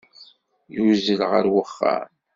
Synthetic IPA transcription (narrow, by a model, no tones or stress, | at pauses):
juzəlʁəɾwəχːa̰m